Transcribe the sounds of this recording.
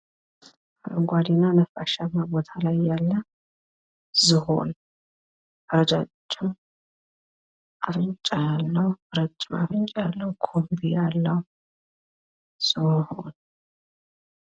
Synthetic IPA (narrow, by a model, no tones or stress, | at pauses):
ɡʷad̪inanəfaʃamabo̞t̪ʰalajːalːə | zɨɦo̰n | əɾəd͡ʒat͡ʃʼːɛw | ʔafɨɲt͡ʃʼːajalːəhuɾət͡ʃʼːɪma̰fɨnt͡ʃʼjalːəwkʰombijalːəwu | z̥ɨho̰n